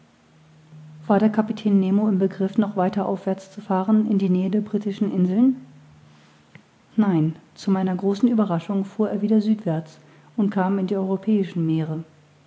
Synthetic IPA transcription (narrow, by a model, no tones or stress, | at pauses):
v̥aːɐɾeːɐkʰapitʰɛːnːeːmoɪmbəɡʁɪfnɔχv̥aɪtɐʔa̰ʊfv̥ɛɐt͡st͡sufaːʁənɪndiːnɛːədeːɐbʁiːtɪʃn̩ʔɪnzl̩n | naɪnt͡sumaɪnɐɡʁoːsn̩yːbɐʁaʃʊŋfuːɐeːɐviːdɐzyːtv̥ɛɐt͡s | ʔʊntkʰaːmɪndiːʔɔʏʁopʰɛːɪʃn̩meːʁə